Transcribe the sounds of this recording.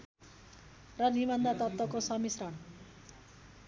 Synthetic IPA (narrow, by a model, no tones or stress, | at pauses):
rʌnimʌnd̪ʱat̪ʌp̚t̪ʌkosʌmisrʌɳ